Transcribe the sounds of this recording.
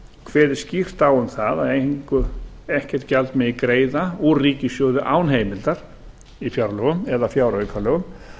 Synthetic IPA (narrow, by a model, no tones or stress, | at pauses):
kʰv̥ɛːðɪ̥scir̥t̪awʏmθaðaðeŋkʏ | ɛhcɛr̥t̪calt̪mɛikɾeːjðaɔriːcɪsjɔːðʏʔaːwnɦeːjmɪlt̪aɾ̥ | ifjawɾalœɣʏmɛðafjaːwɾœjkʰaɾlœɣʏm